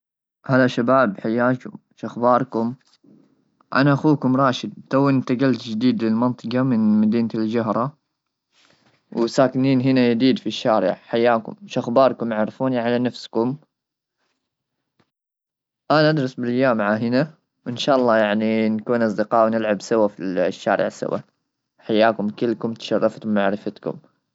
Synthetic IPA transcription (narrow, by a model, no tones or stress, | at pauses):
haðaʃabaːbħajːaːkʊm | ʃʔaxbɑːɾˤkʊm | ʔa̰naʔaxuːkʊmɾˤɑːʃɪd̪̚t̪awːɪnt̪aɡalt̪d͡ʒɪd̪iːd̪lɪlmɑnt̪ˤɨqɑmɪnmad̪iːnld͡ʒaɦɾˤɑ | wsaːkɪniːnɦɪnajad̪iːd̪fiʃːaːɾɪ̰ʕħajːaːkʊ̰mʃʔaxbɑːɾˤkʊmjaʕɾfuːniʕalanafskʊm | ʔanaʔad̪ɾˤɑsbɪlʔajːaːmːʕaɦɪna | wʔɪnʃaːʔɑlˤːɑːjaʕninkuːnʔɑs̬ˤd̪ɪqɑːwnɪlʕabsawafiʃːa̰ːɾɪ̰ʕsa̰wa̰ | ħajːaːkʊmkɪlkʊmt̪ʃɑrˤːɑft̪ʊmːaʕɾɪfat̪kʊ̰m